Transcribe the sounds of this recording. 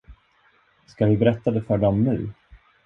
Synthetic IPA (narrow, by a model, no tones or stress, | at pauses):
skad̪ɵbɛɾɛt̪ːad̪ɛfœɖɔmːʉ̰ː